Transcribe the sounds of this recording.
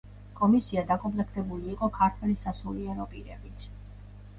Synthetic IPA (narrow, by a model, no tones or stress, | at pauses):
kʼɔmisiad̪akʼɔplɛk̚ʰt̪ʰʼɛbuliːqʼɔkʰaɾt̪ʰwɛlisasuliɛɾɔpʼiɾɛ̰bit̪ʰ